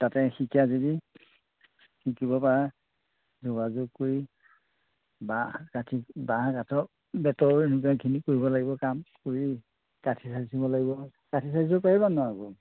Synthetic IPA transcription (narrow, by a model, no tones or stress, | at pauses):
tatɛxikʰazodi | xikibɔpaɹa | zoɡazʊɡ̚koɹi | bakatʰikbaɦãkatʰɔ | bɛtɔɹenukakʰinikoɹibɔlaɡibɔkamkoɹi | katʰisasibɔlaɡibɔ | katʰisaisɔpaɹibanɔaɡɔ